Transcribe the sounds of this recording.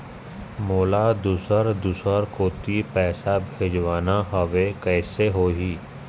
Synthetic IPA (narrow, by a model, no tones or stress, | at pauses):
moːlad̪usəɾd̪usəɾkoːt̪ipɛːsabʱeːd͡ʒʋaːnaɦəʋekɛːseɦoːɦiː